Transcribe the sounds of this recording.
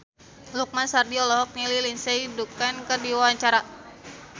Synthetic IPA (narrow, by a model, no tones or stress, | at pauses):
luk̚mansardiɔlɔɦɔk̚nililinsɛdukankərdiwawaɲt͡ʃaɾa